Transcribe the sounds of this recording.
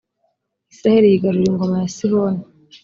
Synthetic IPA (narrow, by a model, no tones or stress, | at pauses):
isiɾahiɾihiɡaɾuɾiŋɡo̞majasihoːna